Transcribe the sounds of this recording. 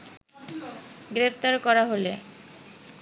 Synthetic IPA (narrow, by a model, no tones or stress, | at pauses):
ɡɾepʰt̪aɾkɔɾaɦole